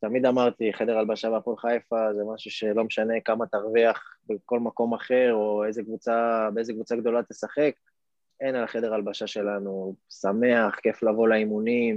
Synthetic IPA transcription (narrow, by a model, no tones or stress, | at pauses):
t̪amid̪amaʁt̪iχe̞d̪e̞ʁalbaʃabeapolχajfazemaʃuʃe̞lo̞meʃane̞kamat̪aʁviaχbeko̞lmako̞maχe̞ʁo̞ezekvut͡sabeezekvut͡saɡd̪o̞lat̪esaχe̞k̚ | enalχe̞d̪e̞ʁalbaʃaʃe̞lanusame̞aχke̞flavo̞laimunim